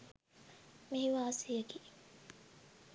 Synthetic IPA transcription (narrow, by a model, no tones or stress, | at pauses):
miɦiʋaːsijɐki